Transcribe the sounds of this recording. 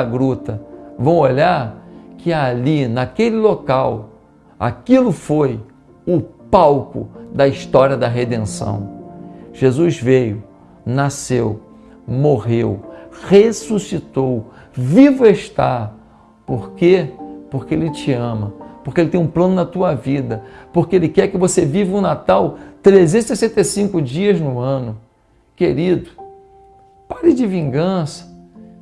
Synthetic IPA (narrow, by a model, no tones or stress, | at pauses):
ɡɾut̪ɐvɐ̃w̃olaɾkʰɪalinɐkelɪlokaw | a̰kilʊfoj | ʊpawkʊ̰d̪ɐiʃt̪ɔɾiɐd̪ɐɦed̪ẽsɐ̰̃w̃ʒ̥ezuzvejʊ | nasew | moʁewhesusit̪ow | vivʊeʃt̪a | poɾkepoχkeelɪt͡ʃɪɐ̃mɐpoχkeelɪt̪ẽũplɐ̃nʊnɐt̪uɐvid̪ɐpoɾkeelɪkɛɾkɪvosevivɪʊ̃nat̪awt̪ɾezẽsesẽnt̪esĩkʊd͡ʒiɐznʊɐ̃nʊ | keɾid̪ʊ | paɾɪd͡ʒɪvĩɡɐ̃sɐ̥